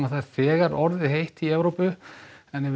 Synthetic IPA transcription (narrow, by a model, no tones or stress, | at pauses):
aθaðɾ̥θɛːɣaɾɔɾðɪɦejht̪iɛvɾowpʏɛnɛv